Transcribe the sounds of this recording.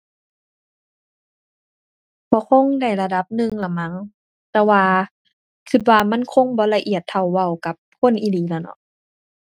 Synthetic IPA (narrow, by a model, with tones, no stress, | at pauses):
bɔː˧˦kʰo˧˥˨ŋda˧˩jla˧da˧˦p̚nɯ˧ŋla˧˩ma˧˥˨ŋ | t̪ɛː˧waː˧ | kʰɯ˧t̪̚waː˧ma˧˥˨nkʰo˧˨ŋbɔː˧˦la˧ʔi˧˨˩ət̪ʰːa˧˩wːa˧˩˨wka˧˦p̚kʰo˧˥˨nʔi˧˨liː˨˦la˧˩nɔ̰˧˦ʔ